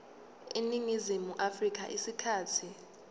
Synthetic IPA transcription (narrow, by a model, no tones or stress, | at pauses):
eniŋizimuʔafrik̬ʼa̰ʔisikʰaːtʰi